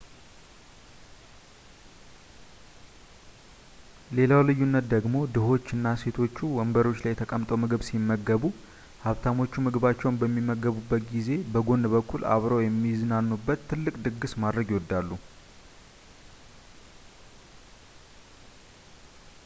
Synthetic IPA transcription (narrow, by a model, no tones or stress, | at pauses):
le̞lawlɨjːunːət̪d̪əɡmo̞d̪ɨho̞t͡ʃːɨnːase̞t̪ʰo̞t͡ʃːuwɔmbəɾo̞t͡ʃːlajɛt̪ʰəkʼəmt̪ʼəwmɨɡɨβsimːəɡːəβu | haβt̪ʰamo̞t͡ʃːumɨɡɨβat͡ʃːɛwnbəmːimːəɡəβubːət̪̚ɡize̞bəɡo̞nbəkʰːula̰βɾəwjɛmːizɨnanːubːət̪ʰːɨlːɨkʼd̪ɨɡːɨsmad̪ɾəɡiwɔd̪ːalːu